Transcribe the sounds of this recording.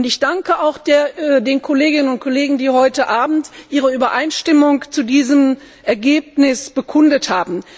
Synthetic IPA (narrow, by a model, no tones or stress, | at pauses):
ʊntɪçd̥aŋkəaʊxd̥deːnkʰɔleːɡɪnənʊntkʰɔleːɡŋ̩diːhɔʏtəʔaːbm̩tʔiːʁəyːbɐʔaɪnʃtɪmʊŋt͡sudiːzəm | ʔɛɐɡeːp̚nɪsb̥əkʰʊndəthaːbm̩